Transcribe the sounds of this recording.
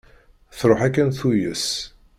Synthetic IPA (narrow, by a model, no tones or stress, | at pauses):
θɾˤoħækːænθujəs